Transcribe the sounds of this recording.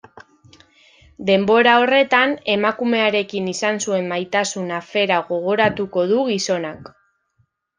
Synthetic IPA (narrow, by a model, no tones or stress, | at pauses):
d̪e̞mbo̞ɾao̞re̞t̪ane̞makume̞aɾe̞kinisansue̞mːajt̪asunafe̞ɾaɣo̞ɣo̞ɾat̪uko̞ðuɣiso̞nak